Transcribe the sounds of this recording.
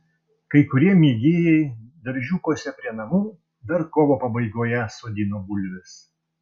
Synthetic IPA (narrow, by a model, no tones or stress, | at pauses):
kɐɪkʊɾʲiɛmʲiɛɡʲeːjɛɪd̪ɐɾʲʒʲuːkoːsʲɛpʲɾʲiɛnɐmuː | d̪ɐɾkoːʋoːpɐbɐɪɡoːjɛsoːd̪ʲɪnoːbʊlʲʋʲɪs